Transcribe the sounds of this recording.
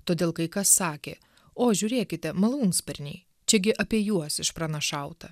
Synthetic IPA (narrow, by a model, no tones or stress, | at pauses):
t̪oːd̪ʲeːlˠkɐɪkɐsːɑːkʲḛː | oːʒʲʊɾʲeːkʲɪt̪ʲɛmɐlˠuːŋkspʲɐɾʲnʲɛɪ | t͡ʃʲɛɡʲɪʔɐpʲiɛjuɔsɪʃpɾɐnɐʃɑˑʊt̪ɐ